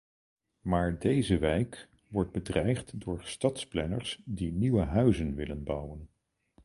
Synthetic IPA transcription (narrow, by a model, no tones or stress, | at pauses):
maːɹdejzəʋɛjk | ʋɔɹd̚bədrɛjχtdʊːɹstɑtsplɛnə̰ɹsdiniʋəɦœɥzənʋɪlənbʌwən